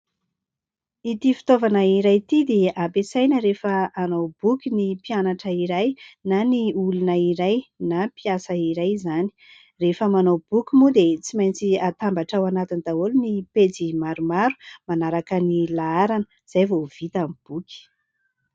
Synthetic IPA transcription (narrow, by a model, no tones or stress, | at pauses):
it̪ifi̥t̪ovanəiɾajt̪id̪eapesajnəɾefəanowbukʲinipianaʈ͡ʂəiɾajnaniulunəiɾajnapiasəiɾajzani̥ | refəmanowb̥ukʲimud̪et͡simajnt͡siat̪ambaʈ͡ʂawanat̪ind̪aolunipet͡simaɾumaɾu̥manaɾakənilaaɾanə | z̥ajvov̥it̪amib̥ukʲi̥